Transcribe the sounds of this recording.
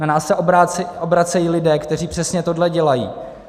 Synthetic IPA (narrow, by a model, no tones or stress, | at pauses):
nanaːsːɛʔobaobɾat͡sɛjiːlɪdɛːkt̪ɛriːpr̝̥ɛsɲɛt̪o̞dlɛɟɛlajḭː